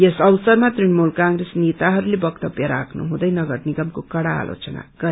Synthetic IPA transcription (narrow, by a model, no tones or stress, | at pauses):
jesʌwsʌrmat̪rinmulkaŋɡresnet̪aɦʌɾulebʌkt̪ʌbjʌɾakʰnṵɦũd̪ʌjnʌɡʌrniɡʌmkokʌɽa̰ːlʔo̰t͡sʌna̰ɡ̥ʌ